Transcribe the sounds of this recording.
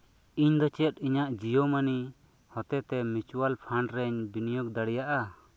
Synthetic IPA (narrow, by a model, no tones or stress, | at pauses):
iɲd̪ɔt͡ʃɛt̪̚iɲaʔd͡ʒijɔmani | hɔt̪ɛt̪ɛmit͡ʃwalpʰaɳɖɾɛɲbinijɔk̚d̪aɽijaʔa